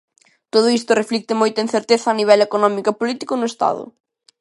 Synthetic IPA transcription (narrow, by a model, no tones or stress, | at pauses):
t̪oð̞ʊist̪ʊreflik̚t̪ɪmojt̪ɐeĩnθeɾt̪eθɐːniβɛlekonɔmikɐpolit̪ikʊnʊest̪a̰ðʊ̰